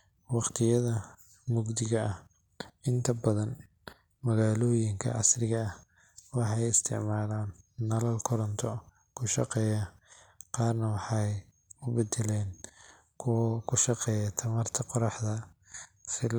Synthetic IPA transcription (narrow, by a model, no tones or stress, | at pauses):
wɑqt̪ʰɪjɐðɐ | mʊɡd̪ɪɣɐɐh | ɪnt̪ʰɐbɐðɐn | mɐɣaːlɔːjɪŋkʰɐ̰ʕɑ̰srɪɣɐː | wɑħɑjɪst̪ʰɪ̰ʕmaːlaːnːɐlɐlkʰɔɾɔnt̪ʰɔ | kʰʊʃɑ̰qɛːjɐ | qɑːrnɐwɑħɑj | ʊbɛd̪ɪlɛːn | kʰkʰʊʃɑqɛːjɐt̪ʰɐmɐrt̪ʰɐqɔɾɑħðɐ | sɪl